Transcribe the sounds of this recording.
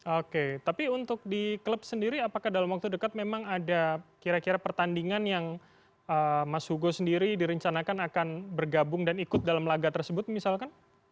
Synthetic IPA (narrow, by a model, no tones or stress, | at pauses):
oket̪apiunt̪ʊk̚dikləp̚səndiɾiapakahdalamwak̚t̪udəkat̪̚memaŋadakiɾakiɾapərt̪andiŋanjaŋ | əmashuɡosəndiɾidiɾəɲt͡ʃanakanakanbərɡabʊŋdanikʊt̪̚dalamlaɡat̪ərsəbʊt̪̚misalkan